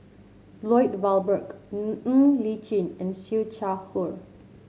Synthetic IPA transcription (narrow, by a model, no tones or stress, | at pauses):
lɔjtvalˠbək̩ | lit͡ʃĩnɛ̃nʃit͡ʃaxuɹ